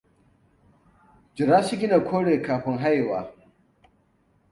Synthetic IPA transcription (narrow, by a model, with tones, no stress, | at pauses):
d͡ʒɪ˨ɾaː˦sɪ˦ɡʲɪ˦na˨kʷʰoː˦ɽeː˨kaː˨ɸɪ˦ŋɦa˦jwaː˨